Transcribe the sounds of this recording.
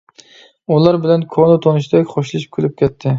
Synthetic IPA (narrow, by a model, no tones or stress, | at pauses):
ulˠɑɾbɪlɛnkʲʰonˠɨt̪ʰonɨʃd̪ɛkʲχoʃlˠɨʃi̥p̚kʲʰylyp̚kʲɛt̪ʰːɪ